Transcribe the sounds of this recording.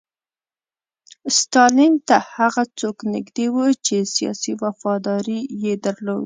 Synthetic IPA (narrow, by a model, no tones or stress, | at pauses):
st̪ɑlint̪ahaɣat͡soknɪ̰ɡd̪ewət͡ʃesijɑ̰siwafɑd̪ɑɾijed̪əɾlo̰wi